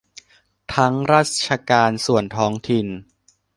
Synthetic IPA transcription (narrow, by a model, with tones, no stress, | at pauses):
t̪ʰa˦˥ŋɾaː˥˩t̪̚t͡ɕʰa˧kaː˧nsu˨˩ənt̪ʰɔː˦˥ŋt̪ʰi˨˩n